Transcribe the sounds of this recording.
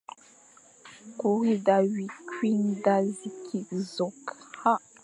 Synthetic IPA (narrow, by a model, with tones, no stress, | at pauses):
ku˨ɣi˦da˨wi˨kwi˦nda˦zi˨kʰi˨zɔ˨kha˦